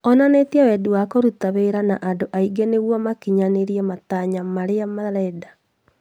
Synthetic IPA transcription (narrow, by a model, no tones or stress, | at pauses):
ɔnanetiawɛduwakoɾutaβeɾanaʔandoʔaiɡeneɣwɔmakiɲaneɾiɛmataɲamaɾeamaɾɛda